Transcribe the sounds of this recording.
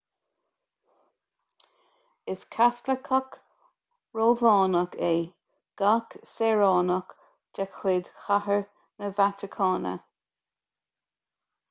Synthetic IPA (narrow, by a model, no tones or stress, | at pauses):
ɪskʰasləkʰək | ɹoːvɑːnəkʰe | ɡ̥aksɛɹɑːnək | d͡ʒɛkʰwɪd̪xahəɹ | nəvat̪ɪkʰɑːnə̰